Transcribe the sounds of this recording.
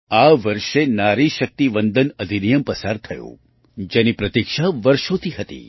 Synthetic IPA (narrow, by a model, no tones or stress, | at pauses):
aʋəɾʃenaɾiʃək̚t̪iʋənd̪ʱənəd̪ʱinijəmpəsaɾt̪ʰɐjõ̰ | d͡ʒɛnipɾɐt̪ikʃaʋəɾʃõt̪ʰiɦət̪ḭ